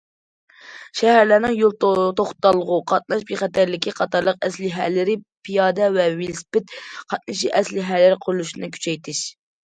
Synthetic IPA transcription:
ʃɛɦæɾlænɪŋjolˠt̪oχt̪ɑlˠːəʁʊqʰɑt̪̚nɑʃbiχæt̪ʰæɾlɪkʲʰiqʰɑt̪ɑɾlˠəq̚ɛslɪɦælːɪɾɪpʰijɑːd̪ɛvɛvɪlspɪt̪qʰɑt̪̚nɨʃiʔɛslɪɦælɪɾqʰʊɾlˠuʃinɨkʲʰy̥t͡ʃʰɛjt̪ʰɪʃ

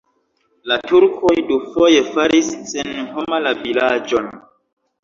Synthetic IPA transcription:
latuɾkʰo̞jdufo̞je̞faɾisːenho̞malavilad͡ʒon

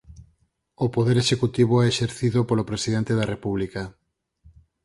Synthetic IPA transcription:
opoðeɾeʃekut̪iβoɛeʃeɾθiðopolopɾesiðent̪eðɐrepuβlikɐ

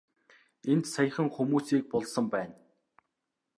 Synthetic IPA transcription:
ent̪saj̆χə̆ŋxumuːsiːk̚pɔɮsə̆mpæːn

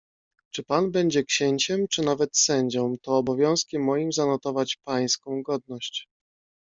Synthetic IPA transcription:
t͡ʂɘpanbɛɲd͡ʑɛkɕeɲt͡ɕɛmt͡ʂɘnavɛt̪sɛɲd͡ʑɔ̃mt̪ɔːbɔvʲjɔ̃w̃skʲɛmːɔjimzanɔt̪ɔvat͡ɕpaj̃skɔ̃w̃ɡɔd̪̚nɔɕt͡ɕ

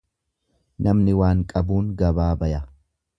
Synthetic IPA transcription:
nɐmnɪwaːŋkʼɐbuːŋɡɐbaːbɐjɐ

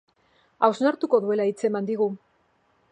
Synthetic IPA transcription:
awznaɾt̪uko̞ðue̞lait͡se̞mand̪iɣu

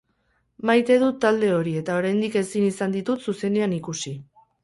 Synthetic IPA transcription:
majt̪e̞ðut̪ːald̪e̞o̞ɾie̞t̪ao̞ɾajnd̪ike̞sinisand̪it̪ut̪suse̞neanikusi

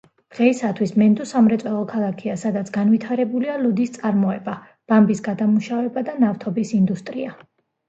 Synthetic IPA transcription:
d̪̥ʁɛisat̪ʰwismɛnd̪ɔsamɾɛt̪sʼwɛlˠɔkʰalˠakʰiasad̪at̪sʰɡ̥anvit̪ʰaɾɛbulialɔd̪ist̪sʼaɾmɔɛba | b̥ambisɡad̪amuʃavɛbad̪anaft̪ʰɔbisind̪ust̪ʼɾia

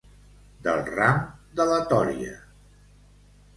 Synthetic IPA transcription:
d̪əlˠramd̪ələt̪ɔɾiə̰

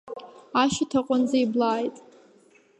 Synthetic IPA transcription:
aʃitʰaqʷʼand͡zaiblaːjtʼ

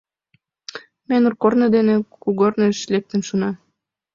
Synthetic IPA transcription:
menurkornɤ̆d̪enĕkuɣorneʃlek̚t̪ə̆nʃunɑ

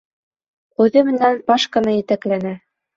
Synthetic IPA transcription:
ʉðɘmɘ̆nænpɑʃkɤ̆nɤjɘ̆t̪æklænæ

